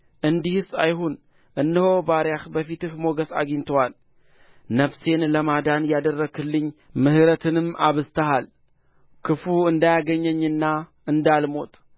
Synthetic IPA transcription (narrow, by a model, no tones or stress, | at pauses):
ʔɨnd̪ihɨsajhun | ʔɨnːɨho̞baɾjahbəfit̪ɨhmo̞ɡəsa̰ɡint̪ʰəwal | nəfse̞nləmad̪anjad̪ərːəɡɨlːɨɲːmɨhɨɾət̪ʰɨnɨmʔa̰βɨst̪ʰəɦal | kʰɨfuɨnd̪ajaɡəɲːəɲːɨnːaʔɨnd̪almo̞t̪ʼ